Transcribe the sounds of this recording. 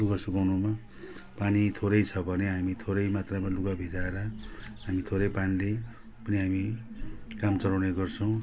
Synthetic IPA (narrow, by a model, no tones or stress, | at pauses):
luɡasukawnuma | panit̪ʰoɾʌjt͡sʰʌbʱʌneɦamit̪ʰoɾʌjmat̪ramaluɡabʱid͡zaeɾʌɦamit̪ʰoɾʌjpanile | pʌniɦami | kamt͡sʌɾawneɡʌrt͡sʰʌw̃